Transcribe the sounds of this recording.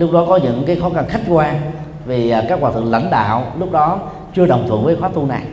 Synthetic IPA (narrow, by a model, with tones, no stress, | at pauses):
lʊ˦˥k͡p̚ɗɔ˨˦kɔ˨˦ɲɨ̰˧˥ŋkaː˨˦jxɔ˨˦ɣa˨˩ŋxa˦˥jk̟̚kwaː˧ | vi˨˩˨kaː˦˥k̚ːwaː˧˩t̪ʰɨ̰˧˨ŋlə̰˧˥nɗa̰ː˧˨wlʊ˦˥k͡p̚ɗɔ˨˦ | t͡ɕɨ˧əɗə˨˩wŋ͡mt̪ʰwɨ̰˧˨əŋvəː˨˦xwaː˦t̪u˧na˨˩j